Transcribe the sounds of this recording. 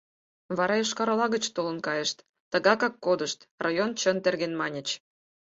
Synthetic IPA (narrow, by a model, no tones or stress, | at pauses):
βɑɾɑjəʃkɑɾlɑɣət͡ɕt̪olə̆nkɑjəʃt̪ːəɣɑkɑkːod̪əʃt̪rɑjont͡ɕənt̪erɣenmɑnʲət͡ɕ